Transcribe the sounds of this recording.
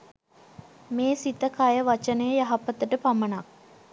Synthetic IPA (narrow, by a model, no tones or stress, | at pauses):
meːsit̪əkajəʋat͡ʃənəjəjaɦapət̪əʈəpamənak̚